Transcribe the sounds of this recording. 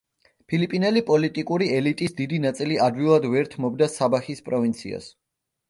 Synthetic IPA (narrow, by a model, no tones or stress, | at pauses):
pʰilipʼinɛlipʼɔlit̪ʼikʼuɾiɛlit̪ʼisd̪id̪inat̪sʼiliʔad̪vilˠad̪vɛɾt̪ʰmɔbd̪asabaxispʼɾɔvint̪sʰḭa̰s